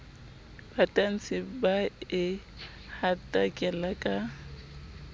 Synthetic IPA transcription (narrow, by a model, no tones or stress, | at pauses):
pʰatʼan̩t͡sɪbaɪ | hatʼakʼɛlakʼa